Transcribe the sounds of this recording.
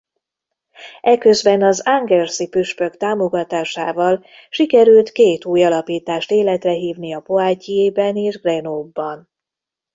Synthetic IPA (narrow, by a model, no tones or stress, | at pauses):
ɛkø̞zbɛnɒzaŋɡɛrsipyʃpø̞kt̪aːmoɡɒt̪aːʃaːvɒl | ʃikɛɾylt̪keːt̪uːjɒlɒpiːt̪aːʃt̪eːlɛt̪rɛɦiːvniɒpoaːcieːbɛneːʒɡrɛnoːbːɒn